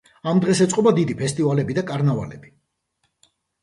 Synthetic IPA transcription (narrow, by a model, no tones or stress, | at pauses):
amd̪ʁɛsɛt̪sʼqʼɔbad̪id̪ipʰɛst̪ʼivalɛbid̪akʼaɾnava̰lɛ̰bi